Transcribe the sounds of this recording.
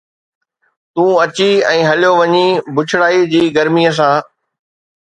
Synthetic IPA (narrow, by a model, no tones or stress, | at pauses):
t̪ũːɐt͡ɕiɛ̃ːɦɐljoʋɐɲibʱʊt͡ɕʰɪɽaːid͡ʑiːɡɐɾmiːəs̬ãː